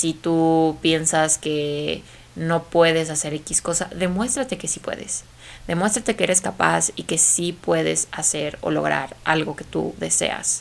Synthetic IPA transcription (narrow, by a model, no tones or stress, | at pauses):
sit̪upje̞nsaske̞ | no̞pwe̞ðe̞s̬ase̞ɾe̞kisko̞sa̰ðe̞mwe̞st̪ɾat̪e̞ke̞sipwe̞̰ðe̞̰s | ðe̞mwe̞s̬t̪ɾat̪ekeeɾe̞skapasike̞sipwe̞ðḛsase̞ɾo̞̰lo̞̰ɣ̞ɾa̰ɾalɣo̞ke̞̥t̪ṵðe̞se̞̰a̰s